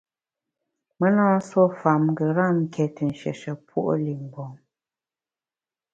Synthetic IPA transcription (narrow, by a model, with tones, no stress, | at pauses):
mə˦nɔː˦n̩˦swɔ˦˨fa˨m˦ɡə˨ɾa˦˨m̩˦kʰɛ˨tə˨n̩˨ʃɛ̰˨ʃə˨pwo˦ʔo̰˦li˨ŋ˨bɔ˨ŋ